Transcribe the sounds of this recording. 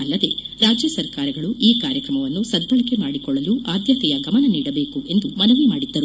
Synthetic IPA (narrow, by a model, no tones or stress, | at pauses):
ɐlːɐd̪e̞ɾaːd͡ʒjɐsɐɾkaːɾɐɡɐɭuʔiːkaːɾjɐkɾɐmɐʋɐnːusɐd̪bɐɭɐkemaːɽikɔɭːɐluʔaːd̪ʱjɐt̪ɛjɐɡɐmɐnɐniːɽɐbe̞ːkuʔe̞nd̪umɐnuʋimaːɽid̪ːɐɾu